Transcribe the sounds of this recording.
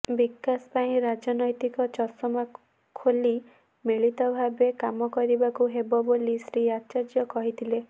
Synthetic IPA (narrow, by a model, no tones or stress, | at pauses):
bikːaspaĩɾad͡ʒɔnɔjt̪ikɔt͡ʃɔsɔma | kʰoli | miɭit̪ɔbʱabekamɔkɔɾibakuɦebɔbolisɾiat͡ʃad͡ʒjɔkɔɦit̪ʰile